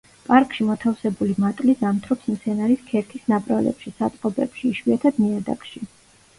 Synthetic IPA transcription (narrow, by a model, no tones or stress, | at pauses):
pʼaɾkʼʃimɔt̪ʰafsɛbulimat̪ʼlizamt̪ʰɾɔpsm̩t̪sʰɛnaɾiskʰɛɾk̪ʰisnapʼɾalɛ̰pʃisat̪ʼqʼɔbɛ̰pʃiːʃwiat̪ʰad̪miad̪a̰kʼʃi